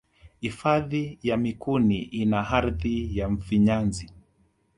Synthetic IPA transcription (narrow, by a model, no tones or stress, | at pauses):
hifaðijamikuniʔinaɦaɾðijaɱ̩fiɲanzi